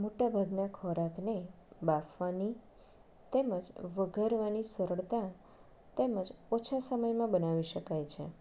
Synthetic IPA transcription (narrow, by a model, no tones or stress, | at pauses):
moʈabʱaɡnakʰɔɾakne | bafʋani | t̪eməd͡ʒʋəɡʱəɾʋanisəɾəɭt̪a | t̪eməd͡ʒot͡ʃʰasəməjmãbənaʋiʃəkajt͡ʃʰḛ